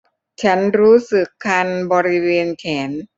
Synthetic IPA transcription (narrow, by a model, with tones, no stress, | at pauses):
t͡ɕʰa˦˥nɾuː˦˥sɯ˨˩kʰːa˧nbɔː˧ɾi˦˥weː˧nkʰɛː˩˦n